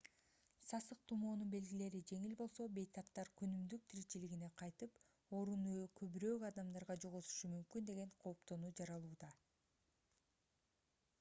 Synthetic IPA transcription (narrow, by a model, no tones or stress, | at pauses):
sɑsɯq̚t̪ʰumoːnunbe̞lɡile̞ɾid͡ʒe̞ŋilbo̞lˠso̞be̞jt̪ʰɑpt̪ɑɾkønymd̪yk̚t̪ʰiɾit͡ʃiliɡine̞qʰɑjt̪ɯp | o̞ɾunujkʰøβyɾøːkɑd̪ɑmd̪ɑɾʁɑd͡ʒoʁot̪u̥ʃumymkynd̪e̞ɡe̞ɴqʰo̞ːpt̪o̞nuːd͡ʒɑɾɑlˠuːd̪ɑ